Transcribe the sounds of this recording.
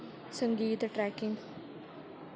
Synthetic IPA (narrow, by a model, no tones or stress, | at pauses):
səŋɡiːt̪ʈɾɛːkɪŋɡ